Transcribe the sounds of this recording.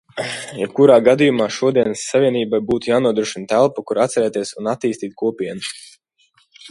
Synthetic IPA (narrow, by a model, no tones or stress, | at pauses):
jɛb̚kuɾaːɡad̪ijumaːʃuɔd̪iɛnsːavʲiɛniːbajbuːt̪ujaːnuɔd̪ɾuɔʃint̪ælˠpukuɾat̪sɛɾɛːt̪iɛsunat̪ːiːst̪iːt̪̚kʰuɔpʲiɛnu